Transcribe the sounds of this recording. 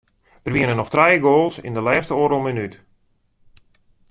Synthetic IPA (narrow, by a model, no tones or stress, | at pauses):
dərʋiənənɔxtrɛjɡoːlˠsɪ̰ndəlɛːstəoːɾolˠmənyt